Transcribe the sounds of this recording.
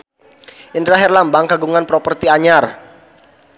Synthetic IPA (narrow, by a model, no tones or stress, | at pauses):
ʔindɾaɦɛrlambaŋkaɡuŋanpɾɔpərt̪iaɲar